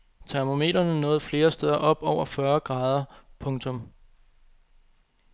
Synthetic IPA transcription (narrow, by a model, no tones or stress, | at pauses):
t͡sʰæɐmo̝me̝̰ːd̥ɐnənɔ̽ːð̞̩ˠfle̝ːɐsd̥eːð̞ˠɐʔɒ̽b̥ɒʊ̰ɐfɶɐɡ̥ʁɑ̈ːð̞ˠɐpʰɔ̽ŋt͡sʰɔ̽m